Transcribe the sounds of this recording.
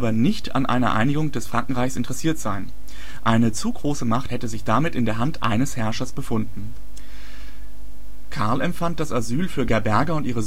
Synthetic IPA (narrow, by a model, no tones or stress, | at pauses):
bɐnɪçtʰa̰nʔa̰ɪnɐ̰ʔa̰ɪnɪɡʊŋd̥ɛsfʁ̥aŋkŋ̩ʁaɪçsʔɪntəʁɛsiːɐtz̥aɪn | ʔaɪnət͡suɡʁoːsəmaχthɛtəzɪçd̥amɪtʔɪndeːɐɦantʔa̰ɪnəshɛɐʃɐsb̥əfʊndn̩ | kʰaɐlɛmfant̚d̥asazyːlfyːɐɡɛɐbɛɐɡɐʊntʔiːʁ̞əz